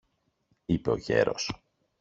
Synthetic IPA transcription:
ipe̞oʝe̞̰ɾo̞s

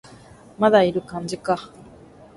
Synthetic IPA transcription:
mad̪aiɾɯ̟kãɲd͡ʑika

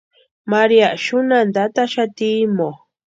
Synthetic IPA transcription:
maɾiaʃʊnand̪at̪aʃat̪imo

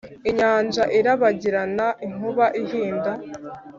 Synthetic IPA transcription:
iɲaːnd͡ʒaʔiɾaβaɟiɾanaʔiŋ̥uβaʔihiːnda

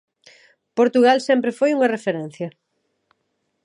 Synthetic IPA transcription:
poɾt̪uɣalsɛmpɾefojuŋɐrefeɾɛn̟θjɐ

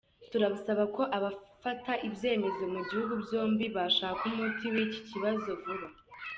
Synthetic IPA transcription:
tuɾaβusaβako̞ʔaβafataʔibje̞ːme̞zo̞muɟihuɡubjo̞ːmbiβaʃaːhkumutiwici̥ciβazo̞vuɾa

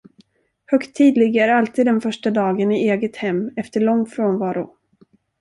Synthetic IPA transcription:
hœkt̪ʰːiːd̪lɪɡaæɾalt̪ʰiːd̪ːɛnfœʂʈad̪ɑːɡənɪeːɡət̪hɛmːɛft̪əɭɔŋːfɾoːnvɑːɾʊ̰

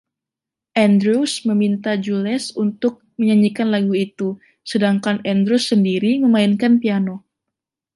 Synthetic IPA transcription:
ʔɛndɾusməmint̪ad͡ʒulɛsunt̪ʊk̚məɲaɲikanlaɡuit̪u | sədaŋkanɛndɾusːəndiɾiməmainkanpiano

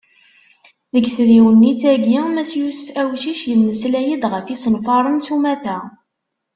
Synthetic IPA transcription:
ðəɡθðiwənːit͡sæɡimæt͡sjusə̥fæwʃiʃjəmːəslæjəd̪ʁəfisənfɑɾˤənt͡sumæθæ

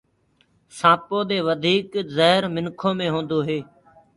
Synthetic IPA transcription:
sãːpoːd̪eːʋəd̪ʱiːkzəɦɪɾmɪnkʰoːmẽːɦõːnd̪oːɦeː

